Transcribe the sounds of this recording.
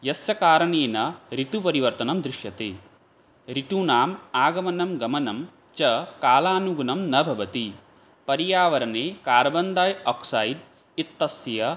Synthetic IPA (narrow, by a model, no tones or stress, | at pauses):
jɐsjɐkaːɾɐɳeːnɐɾit̪upɐɾiʋɐɾt̪ɐnɐmd̪ɾiʃjɐt̪eː | ɾiʈ̪uːnaːmaːɡɐmɐnɐmɡɐmɐnɐm | t͡ʃɐkaːlaːnuɡunɐmnɐbʱɐʋɐt̪i | pɐɾijaːʋɐɾɐneːkaːɾɐbɐnd̪aːjɔːksɐjiɖ | it̪ːɐsjɐ